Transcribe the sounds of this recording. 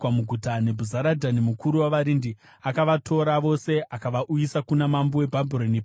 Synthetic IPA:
amuɡʱutane̞bʱuzaɾadʱanemukuɾuwaʋaɾindi | akaʋatʰo̞ɾaʋo̞se̞ʔakaʋaʔujisakunamambowe̞bʱabʱiɾonip

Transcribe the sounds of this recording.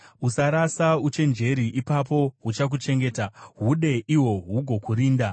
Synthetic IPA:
usaɾasaut͡ʃe̞nd͡ʒe̞ɾiʔipapo̞ɦut͡ʃak̬ut͡ʃe̞ŋɡe̞ːtaɦuɗe̞ʔiwo̞ɦuɡʱo̞kuɾiːnda

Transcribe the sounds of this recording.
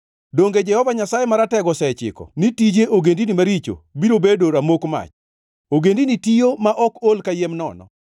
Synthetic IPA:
doŋɡed͡ʒɛhɔvaɲasajemaɾatɛɡɔsɛt͡ʃɪ̰kɔ̰nitid͡ʒeʔoɡendinimaɾit͡ʃo̰biɾobedoɾamokma̰t͡ʃ | oɡendinitijomaʔɔkolkajemnɔ̰nɔ̰

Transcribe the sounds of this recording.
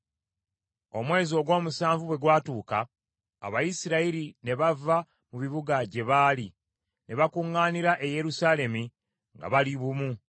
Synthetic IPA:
o̞mwe̞ːzio̞ɡwo̞ːmusaːɱvuβwe̞ɡwaːtuːka̰ː | βajisiɾaiɾine̞βava | muβiβuɡaɟe̞βaːli | ne̞βakuŋːaːniɾaʔe̞je̞ɾusaːle̞mi | ŋɡa̰βaliβumu

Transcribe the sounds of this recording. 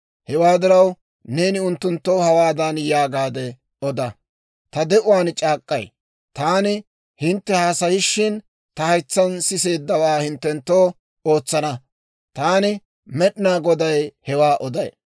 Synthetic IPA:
hɛwaːd̪ɪɾɐw | ne̞ːnɪʊnt̪ːʊnt̪ːowhɐwaːd̪ɐnjaːɡaːd̪ɛ | ɔd̪ɐ | t̪ɐd̪ɛʔʊwaːnt͡ʃʼaːkʼːɐ̰j | t̪aːnɪ | hɪnt̪ːɛhaːsɐjɪʃːɪn | t̪ɐhɐjt͡sːɐnsɪse̞ːd̪ːɐwaːhɪnt̪ːɛnt̪ːoː | o̞ːt͡sːɐnɐ | t̪aːnɪ | mɛɗɪnaːɡɔd̪ɐjhɛwaːʔɔd̪ɐj

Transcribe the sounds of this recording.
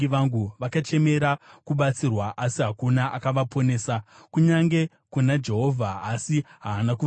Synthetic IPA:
iʋaŋɡuʋakat͡ʃe̞me̞ɾakuɓat͡sirwaʔasiɦakunaʔakaʋapʰo̞ne̞ːsakuɲaŋɡe̞ | kunad͡ʒe̞ɦo̞vʱaːsiɦaːnaku

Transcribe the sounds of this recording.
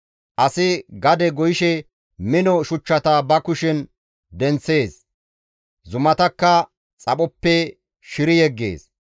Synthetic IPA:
ʔɐsɪɡɐd̪ɛɡɔjɪʃɛ | mɪnɔʃʊt͡ʃːɐt̪abɐkʊʃɪn | d̪ɛnt͡sːe̞ːs | zʊmɐt̪ɐkːɐ | t͡sʼɐɓɔpːɛ | ʃɪɾɪjɛɡːḛːs

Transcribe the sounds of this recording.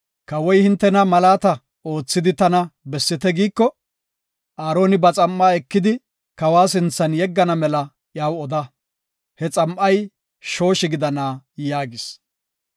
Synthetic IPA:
kɐwɔjhɪnt̪ːɛnɐmɐlaːt̪ɐ | o̞ːt͡sːɪd̪ɪt̪ɐnɐbɛsːɪt̪ɛɡiːkːɔ | ʔaːɾo̞ːnɪbɐt͡sʼɐmːaːɛkːɪd̪ɪ | kɐwaːsɪnt͡sːɐnjɛɡːɐnɐmɛlɐ | jaːwɔd̪ɐ | hɛt͡sʼɐmʔɐj | ʃo̞ːʃɪɡɪd̪ɐnaːjaːɡɪs

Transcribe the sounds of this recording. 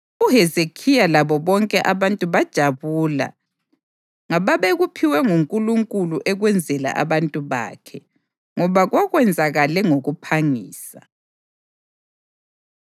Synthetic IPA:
uɦɛzekʰijalaβɔβɔŋkʼɛʔaβantʼuβad̥ʒ̥ʱaβuːla̰ | ŋaβaβɛɣupʰiwɛŋuŋkʼuluŋkʼuluʔɛɣwɛnd͡zʱɛla̰ʔa̰βantʼuβa̰ːkʰɛ | ŋɔβaɣwaɣwɛnd͡zʱaɣalɛŋoɣupʰaŋiːsa

